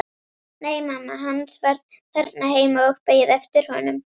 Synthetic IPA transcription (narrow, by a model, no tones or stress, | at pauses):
neːjmamːaɦanːsvɛɾðθɛɾt̪naɦeːjmaœxpeːjɪðɛft̪ɪɾ̥hɔnʏm